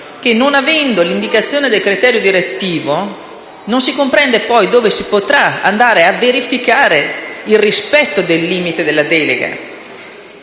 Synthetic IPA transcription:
k̟enːonavɛnd̪olind̪ikat̪sːjoːned̪elkɾit̪ɛːɾjod̪iɾet̪ːiːvo | nonsikompɾɛnd̪epɔjd̪oːvesipot̪ɾaa̰nd̪aːɾeavːeɾifikaːɾeilrispɛt̪ːod̪elːiːmit̪ed̪elːad̪ɛːlḛɡa̰

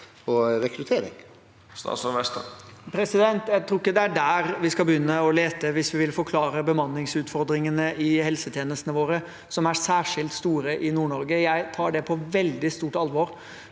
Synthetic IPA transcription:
ɔɾɛkɾʉt̪ʰeːɾɪ̰ŋ | st̪ɑ̰ːt̪sɔʋɛst̪ɑ̰pʰɾɛsɪd̪ɛnt̪jæɪt̪ʰɾuːɪkːəd̪ɛæɖæɾʋɪskɑbəjʏnːəɔleːt̪əʋɪsʋɪʋɪlfɔɾkʰlɑːɾəbəmɑnːɪŋsʉːt̪fɔɾd̪ɾɪŋənəʔɪhɛlsət̪ʰjeːnəst̪nəʋoːɾə | sɔmæsæːʂɪlt̪st̪uːɾəʔɪnuːɳɔɾɡəjæɪt̪ʰɑːɖɛpʰɔʋɛld̪ɪst̪uːʈɑlʋɔɾ

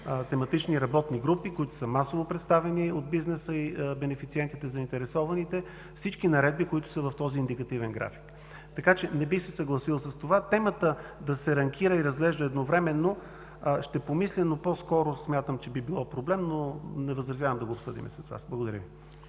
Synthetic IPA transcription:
t̪ɛmɐt̪it͡ʃniɾɐbɔt̪niɡɾupikoit̪ʊ̥səmasovopɾɛt̪st̪avɛniod̪̚biznɛsəibɛnɛfit̪siɛnt̪it̪ɛzɐint̪ɛɾɛsɔvɐnit̪ɛ | fsit͡ʃkinɐɾɛd̪bikoit̪ʊ̥səvɐft̪ɔziːnd̪ikɐt̪ivɛnɡɾa̰fi̥k | t̪ɐkat͡ʃɛnɛbixsɛsɐɡlˠɐsilˠsəst̪ovat̪ɛmət̪əd̪ɐsɛɾɐŋk̟iɾəiɾɐzɡlɛʒd̪əɛd̪novɾɛmɛnːo | ʃt̪ɛpomislʲɛnopɔskɔɾʊsmʲjat̪əmt͡ʃɛbibilˠɔpɾoblɛmnonɛvəzɾɐzjavəmd̪ɐɡoːpsɤd̪ḭmɛ̰sɐsva̰sblˠɐɡod̪ɐɾʲəvi

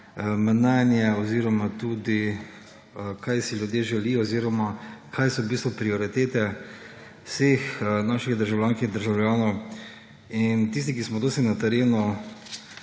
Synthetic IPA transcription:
mnanjɛɔziːɾɔmat̪ud̪i | kʰajsilʲjud̪jeːʒɛliːjɔːziːɾɔmakʰajsɔbiːst̪ʋɔpɾiɔɾit̪eːt̪ɛ | sexnaʃiɣd̪əɾʒawlʲjaːŋkiɣd̪əɾʒawljaːnɔw | int̪is̬t̪ik̬ismɔd̪oːst̪inat̪ɛɾeːnu

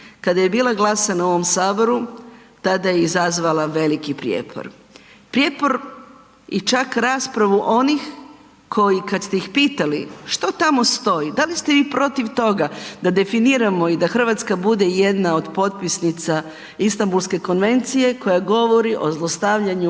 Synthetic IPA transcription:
kad̪aje̞biːlaɡlˠasanao̞ʋo̞msaːbo̞ɾu | t̪ad̪ajeizazʋalˠaʋe̞likipɾjḛpʰo̰ɾ | pɾjepoɾ | jɛt͡ʃakɾaːspɾaʋuʔo̞nix | kʰo̞jikad̪st̪e̞jixpiːt̪aliʃt̪ot̪amo̞st̪o̞jid̪alist̪eʋiːpɾo̞t̪iʋt̪o̞ɡad̪ad̪e̞finiɾamo̞id̪axr̩ʋat̪skabud̪e̞je̞d̪nao̞d̪po̞t̪̚pisnit̪sa | ist̪ambulske̞ko̞nʋe̞nt̪sije̞ko̞jaɡo̞ʋo̞ɾiʔo̞zlˠo̞st̪aʋʎaɲu

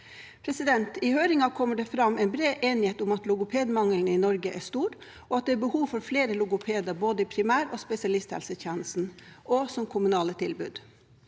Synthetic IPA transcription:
pʰɾɛsɪd̪ɛnt̪ɪhøːɾɪŋɑkʰɔmːəɖɛfɾɑmɛnbɾeːʔeːnɪheːt̪ʊmɑt̪lʊɡʊpʰeːd̪mɑŋəln̩ɪnɔɾɡəʔæʂt̪uːɾ | ʔɔɑt̪̚d̪ɛːbəhuːʋfɔɾfleːɾəlʊɡʊpʰeːd̪ɑɾboːd̪əɪpʰɾɪmæːɾɔːspɛsɪɑlɪst̪hɛ̰lsəçjɛːnəst̪n̩ʔɔsɔmkʰʊmʉnɑːlət̪ʰɪlbʉ̰ːd̪

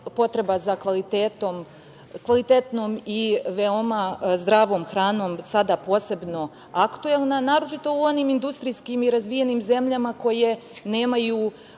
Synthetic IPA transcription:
po̞t̪ɾe̞bazakʋalit̪et̪o̞m | kʋalit̪e̞t̪no̞miʋeo̞mazd̪ɾaʋo̞ːmxɾaːno̞ːmsad̪apo̞ːse̞bno̞ | akt̪ue̞lˠnanaːɾo̞t͡ʃit̪o̞uo̞niːmind̪ust̪ɾiskimiɾazʋije̞niːmze̞mʎamako̞je̞ne̞ːmajuː

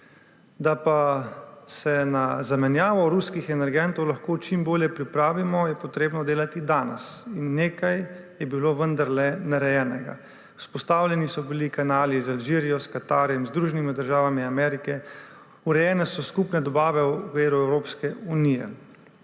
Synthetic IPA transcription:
d̪apa | sɛnazamɛnjaːʋɔɾuskixɛnɛɾɡɛnt̪ɔwlaxkoːt͡ʃimboːljɛpɾipɾaːʋimɔjɛpɔt̪ɾeːbnɔd̪eːlat̪id̪aːnɛ̰sinːeːkajjɛbiloːʋənd̪aɾlɛnaɾɛjɛːnɛɡa̰ | u̥spɔst̪aːwlʲjɛnisɔbilikanaːlizalʒiːɾijɔskat̪aːɾjɛmzd̪ɾuʒɛnimid̪əɾʒaːʋamiamɛɾikɛ | uɾɛjɛːnɛsɔskupnɛd̪ɔbaːʋɛkʋeːɾuɛwɾoːpskɛunijɛ̰

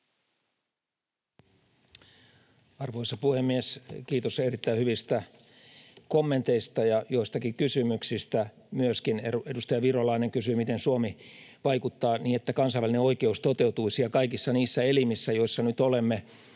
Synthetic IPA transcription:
ɑrʋoisɑpuhemːieskiːt̪oserit̪ːæihyʋist̪æ | komːent̪eist̪ɑjɑjo̞ist̪ɑkikysymyksist̪æ | myøskineedust̪ɑjɑʋirolɑineŋkysymit̪ensuomiʋɑikut̪ːɑːniːnet̪ːækɑnsɑiʋælineo̞ike̞ust̪ot̪e̞ut̪uisiɑkɑikisːɑniːsːæelimisːæjoisːɑnyt̪olemːe

